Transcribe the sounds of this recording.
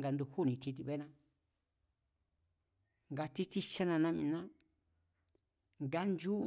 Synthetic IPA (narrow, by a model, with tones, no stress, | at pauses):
ŋɡa˨˧nd̪u˧hu˦˨nĩ˧t̪ʰi˧t̪i˧βe˦nã˧ | ŋɡa˧t̪i˦t̪i˦t͡ʃa˦nã˧nã˦mĩ˧nã˦ | ŋɡa˦nd͡ʒu˦